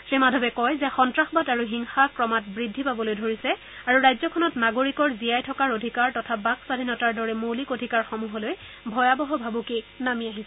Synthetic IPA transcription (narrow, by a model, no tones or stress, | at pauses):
sɹimadʱɔbɛkɔjzɛxɔntɹaxbadaɹuɦiŋxakɹɔmat̚bɹidʱːipabɔlojdʱoɹisɛ | aɹuɹajzɔkʰɔnɔtnaɡoɹikɔɹziajtʰɔkaɹodʱikaɹtɔtʰabaksadʱinɔtaɹdɔɹɛmolikodʱikaɹxɔmuɦɔloj | bʱɔjabɔɦɔbʱabukinamiaɦisɛ